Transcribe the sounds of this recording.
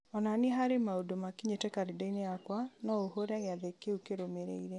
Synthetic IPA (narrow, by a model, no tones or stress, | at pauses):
ɔnaneɦaɾemaodomakiɲetɛkaɾidaineakwanɔohoɾaɣeaðekeukeɾomeɾḛiɾɛ